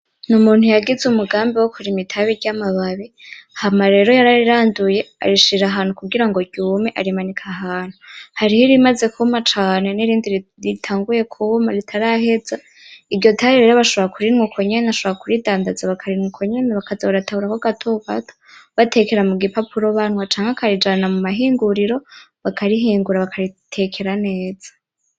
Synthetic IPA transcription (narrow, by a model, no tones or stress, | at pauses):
numuːn̥hujaɡizumuɡaːmbiwokʰuɾimitʰaβiɾɟamaβaβehamaɾe̞ɾo̞jaɾaɾiɾaːnduje̞a̰ɾiʃiɾaɦaːn̥hukuɡiɾaŋɡo̞ɾɟuːmeʔaɾimanikʰaɦaːn̥uhaɾihiɾimaze̞kʰumat͡ʃaːne̞niɾiːndiɾɾitʰaːŋɡuje̞kʰumaɾitʰaɾaɦe̞za | iɾɟo̞tʰaɾeɾeɾoβaʃoβoɾakuɾinŋwukʰo̞ɲeneaʃoβoɾakuɾidaːndazaβakʰaɾinŋukʰoɲeneβakazeβaɾatahuɾakwaɡatʰoka̰tʰo̥βatʰe̞ke̞ɾamuɡipapʰuɾo̞βanwat͡ʃaːŋɡakaɾid͡ʒanamumaɦiːŋɡuɾiɾo̞βakʰaɾiɦiːŋɡuɾaβakʰaɾitʰe̞kʰe̞ɾane̞ːd͡z̥ḁ